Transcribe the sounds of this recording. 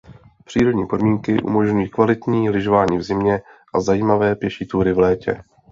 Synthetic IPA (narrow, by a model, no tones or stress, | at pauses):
pr̝̥iːɾo̞dɲiːpo̞dmiːŋkɪʔṵmo̞ʒɲujiːkvalɪt̪ɲiːlɪʒovaːɲiːvzɪmɲɛʔazajiːmavɛːpjɛʃit̪uːɾɪvlɛːcɛ̰